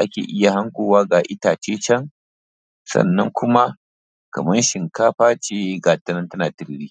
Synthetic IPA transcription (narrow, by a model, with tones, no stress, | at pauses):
ʔa˦kʲḛː˨ʔɪ˦ja˨ha˦ŋkʷoː˨waː˦ɡaː˨ʔɪ˦taː˨t͡ʃeː˦t͡ʃɐ˦ŋ | sɐ̰˦˨nːɐ˦ŋkʷʊ˦ma˦ | kɐ˨mɐ˦nʃɪ˨ŋkaː˦ɸaː˦t͡ʃeː˦ɡaː˨tɐ˦nɐ˦ntɐ˦naː˨tɪ˦ɽɽiː˦